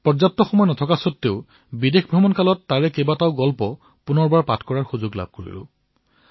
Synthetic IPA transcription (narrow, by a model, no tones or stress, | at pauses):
pɔɹzatːɔxɔmɔjnɔtʰɔkasɔtːeʊ | bidexbʱɹɔmɔnkalɔtːaɹɛkebataʊɡɔlpɔ | punɔɹbaɹpatʰkɔɹaɹxuzoɡla̰b̚ʱkoɹḭlʊ̰